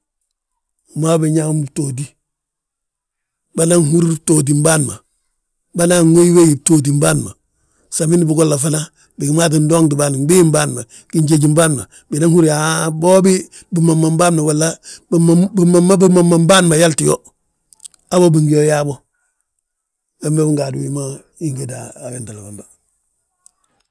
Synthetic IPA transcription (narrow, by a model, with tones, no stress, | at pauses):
u˨ma˦biɲa˦mbtoːdi˦ | ba˦na˦ŋhu˦ɾitoːdi˨mbaː˦nma˨ | ba˦na˦ŋwe˦jwe˦ji˨toː˦d̬i˨mbaːnma˨ | sa˨mi˦nibu˨ɡo˦lːa˨fa˦na | bi˨ɡi˨maː˦t̬i˨ndoː˦ŋdi˨baː˦n˨bi˦i˦mbaːnma˨ | ɡ̥i˦ɲɟe˨ɟimbaː˦nma̰˨ | bi˨na˦ŋhu˦ɾaboː˦bi˦ | bi˨ma˨mːa˨mbaː˦nma˨walːa˦bmbimama˦bi˦mamːambaː˦nma˨ja˦lti˨jo | abobiŋɡi˦jo˦ja˦bo | wembebi˦ŋɡa˨du˨wi˦ma | iŋɡedaː˨jenta˨la˨bamba˨